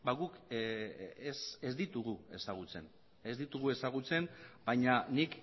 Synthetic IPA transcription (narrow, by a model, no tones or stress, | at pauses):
baɣuk | esezd̪it̪uɣue̞saɣ̞ut͡se̞̰n | ezd̪it̪uɣ̞ue̞saɣ̞ut͡se̞nbajɲanik